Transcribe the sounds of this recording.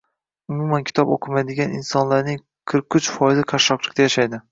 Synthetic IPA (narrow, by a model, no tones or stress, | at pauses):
ʊmumankʲʰɪ̥t̪ɒbo̰qʰɨmajd̪ɪɡʲanɪnsɒnlaɾnɪŋ | qʰɨɾqʊt͡ʃfɒjɪzɪqʰaʃɒqlˠɪ̥k̚ʲt̪ajaʃajd̪ɪ